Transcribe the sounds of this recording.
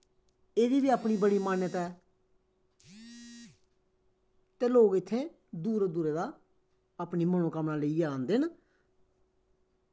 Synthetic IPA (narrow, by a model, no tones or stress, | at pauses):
eːd̪iːbiːaːpɳiːbəɽiːmaːnjət̪ɛː | t̪eːloːɡɪt̪ʰːẽː | d̪uːɾd̪uːɾeːd̪aː | aːpniːməɳ̃õːkəmnaːləiaːnd̪ɪn